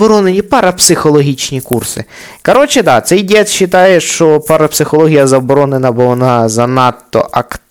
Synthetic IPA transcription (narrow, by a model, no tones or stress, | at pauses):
ɔɾɔnenʲipɐɾɐpsɪxɔlˠɔɦʲit͡ʃnʲikursɪ̰ | kɔɾɔt͡ʃɪd̪ɑt̪sɛjdʲɛt̪ʃːɪt̪ɑjɛʃt͡ʃɔpɐɾɐpsɪxɔlˠɔɦʲijɐzɐbɔɾɔnenɐbʊʋɔnɑzɐnɑt̪ːɔ̰ʔɐk